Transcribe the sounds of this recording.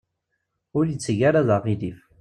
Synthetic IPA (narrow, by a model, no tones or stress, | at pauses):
ʊɾjət͡sːʝaɾaðaʁiðif